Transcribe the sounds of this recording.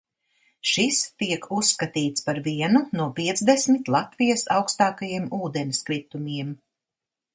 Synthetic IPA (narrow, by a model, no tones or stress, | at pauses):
ʃist̪iɛkʰusːkat̪iːt̪spaɾviɛnunuɔpʲiɛt̪zd̪esmit̪lˠat̪vijasawkst̪aːkajiɛmuːd̪ɛniskɾit̪umʲiɛm